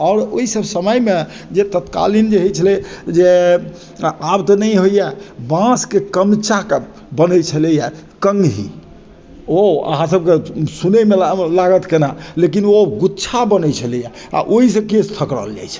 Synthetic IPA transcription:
ɔːɾoɦisəbsəməjme | d͡ʒet̪ət̪ka̰lind͡ʒeɦɛt͡ʃʰəlɛd͡ʒe | abt̪ɔnəjɦojjɛbãskekəmt͡ʃʰake | bənəjt͡ʃʰəlɛjɛ | kəŋɡɦḭ | oə̰ɦãsəb̚kesunemelaɡət̪kenalekinoɡutːt͡ʃʰabənəjt͡ʃʰəlɛjɛ | a̰ʔoɦisə̃kest̪ʰəkɾə̰ld͡ʒa̰jt͡ʃʰɛ̥

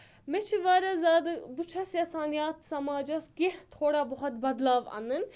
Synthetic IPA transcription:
met͡ʃʰiʋaːɾɐzaːd̪but͡ʃʰɐsɐsaːnijaːt̪sɐmaːd͡ʒɐskeht̪ʰoːɽabɔɦɐt̪̚bɐd̪laːʋa̰nɨn

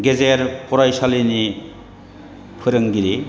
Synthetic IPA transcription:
ɡezeɾpʰɔɾajsalini | pʰɯɾɯŋɡiɾi

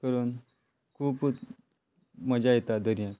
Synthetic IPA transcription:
kəɾuːn | kʰuːp̪ | məd͡ʑajt̪ad̪əɾjã

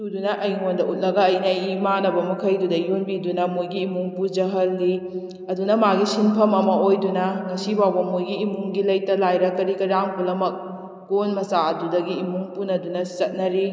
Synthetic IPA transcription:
tudunɐʔɐjŋondɐut̚lɐɡɐːjnɐimanɐbɐmɐkʰɐjdudɐjonbidunɐmojɡiːmuŋpud͡ʒɐɦɐlːi | ɐdunɐmaɡisinpʰɐmɐmɐʔojdunɐŋɐsibawbɐmojɡiːmuŋɡilɐjtɐlajɾɐkɐɾikɐɾaŋpulɐmɐk̚ː | onmɐsaɐdudɐɡiːmuŋpunɐdunɐsɐt̚nɐɾi

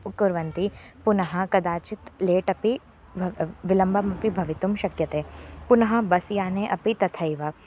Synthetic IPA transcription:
kʊɾʋɐnt̪i | pʊnɐɦɐkɐd̪aːt͡ʃɪt̪leːʈɐpi | ʋɪlɐ̃mbʱɐmɐpibʱɐʋɪt̪umʃɐkjɐt̪eːpʊnɐɦɐbɐsjaːneʔɐpit̪ɐt̪ʰɐiʋɐ

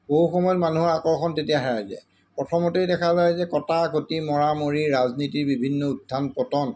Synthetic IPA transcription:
boɦuxɔmɔjɔtmanuɦɔɹakɔɹkʰɔntetijaɦɛɹajzɛ̰ | pɹɔtʰɔmotejdɛkʰazajzɛkɔtakotimɔɹamoɹiɹaznitiɹbibʱinːɔudʱːanpɔtɔn

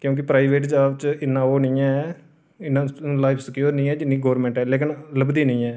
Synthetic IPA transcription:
kjõːk̬ɪpɾaːiʋeːʈd͡ʒaːʋt͡ʃɪnːãːoːnĩːɛː | ɪnːãːlaːɪpʰsəkjoːɾnĩːɛːd͡ʒɪnːiːɡɔːɾmɛ̃ːɳʈɛːleːkɪnləbd̪iːnĩːɛː

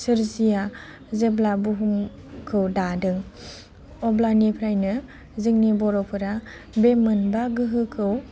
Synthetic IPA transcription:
sɯɾzija | zeblabuɦum | kʰɯwdadɯŋ | ɔblanipʰɾajnɯ | zɯŋnibɔɾɔpʰɯɾa | bemɯnbaɡɯɦɯkʰɯw

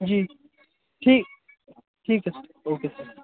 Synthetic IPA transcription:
d͡ʒiː | ʈʰiːk̚ | ʈʰiːk̚t͡ʃɐsɦoːkesɐɾ

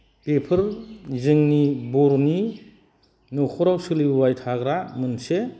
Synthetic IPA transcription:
pepʰɯɾzɯŋnibɔɾni | nɔkʰɔɾawsɯliwajtʰaɡɾamɯnse

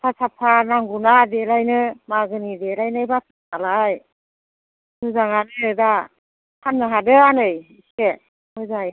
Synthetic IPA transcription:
pʰasapʰanaŋɡunadelajnɯmaɡɯnidelajnɯjbatʰɯ | alaj | mɯzaŋanɯda | hʰanːɯɦadɯanɯjise | mɯza

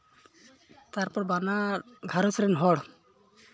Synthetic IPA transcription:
t̪aɾpɔɾbanaɡʱaɾɔsʰɾɛnɦɔɽ

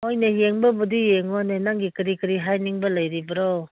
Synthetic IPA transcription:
ojnejeŋbɐbudijeŋonenaŋɡikiɾikiɾiɦajniŋbɐlɐjɾibɐɾɔ

